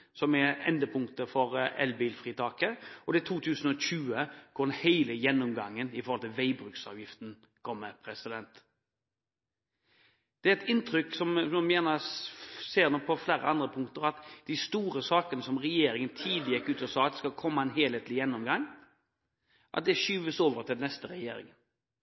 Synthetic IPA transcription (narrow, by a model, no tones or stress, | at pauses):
sɔmɛɛ̰nd̪əpʰʊŋkt̪əfɔɾɛ̰lbiːlfʁiːt̪ʰɑːkəɔd̪ɛæt̪ʰuːt̪ʰʉːsənɔɕʉːəkʰʊd̪ɛnheɪləjɛnːʊmɡɑŋːənɪfɔɾhɔlt̪ʰɪʋæɪbɾʉːksɑ̰ːʋjɪft̪n̩ | kʰɔmːəpʰɾɛsɪd̪ɛnt̪ | d̪̥ɛæɛt̪ɪnt̪ɾʏksɔmmmjɛːnə | seːʁnɔpʰɔflæːɾə̰ɑnd̪ɾəpʰʊŋkt̪əɾɑt̪d̪̥ɪst̪uːɾəsɑːkənəsɔmʁɛjeːɾɪŋənt̪ʰiːd̪lɪjɛkːʉːt̪ɔsɑːɑt̪d̪ɛskɑlkʰɔmːɑɛnɦeːleːt̪lɪjɛnːɔmɡɑŋ | ʔɑ̰t̪̚d̪ɛʃyːʋəsoːʋəʁt̪ʰɪlnɛst̪əɾɛjeːɾɪ̰ŋən